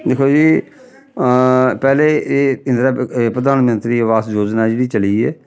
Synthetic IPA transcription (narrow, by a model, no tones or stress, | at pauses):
d̪ekʰoːd͡ʒiː | pɛːleːeɪ̃nd̪ɾaːpɾəd̪aːnmənt̪ɾiːəʋaːsjoːd͡ʒnaːd͡ʒeːɽiːt͡ʃəliːeː